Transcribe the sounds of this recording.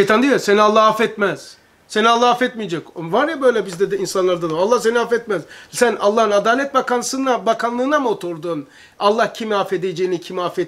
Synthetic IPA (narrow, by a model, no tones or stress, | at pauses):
ʃejt̪ʰand̪ijosenialˠːahafɛt̪mɛz̥ | senialːˠaɦafɛt̪mijed͡ʒɛcovaɾjabø̞jlʲɛbizd̪ɛd̪ɛinsanlˠaɾd̪ad̪alˠːahse̞niafɛt̪mɛzsænʔalˠːahɯnad̪aːlʲɛt̪̚bakanˠɯsɯnabakʰanlˠɯːnamot̪ʰuɾd̪uːn | alˠːahcʰimiafed̪ed͡ʒejinicʰimiafɛt̪